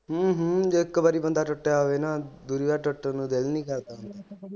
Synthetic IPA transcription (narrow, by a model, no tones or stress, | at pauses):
ɦɦd͡ʒoːɪkːbaɾiːbənd̪aːʈʊʈːjaɦoʋeːnaːd̪uːɾiʋaːʈəʈːənũːd̪elnĩːkəɾd̪aːɦʊ̃nd̪aː